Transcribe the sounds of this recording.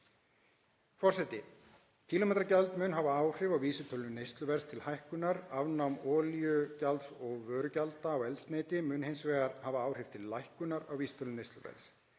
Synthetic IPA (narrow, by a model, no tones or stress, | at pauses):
fɔr̥sɛt̪ɪ | cʰiːlɔmɛːt̪ɾacalt̪mʏnɦavaaːwr̥ɪvawviːsʏt̪ʰœlʏnejst̪lʏvɛɾst̪ʰɪlhajhkʏnaɾavnamɔːljʏcalt̪sɔɣvœːɾʏcalt̪aːwɛlt̪sneːjt̪ɪmʏːnhejnsvɛːɣaɾhavaaːwr̥ɪv̥t̪ʰɪllːajhkʏnaɾawviːsʏ̥t̪ʰœlnʏnejst̪lʏvɛ̰ls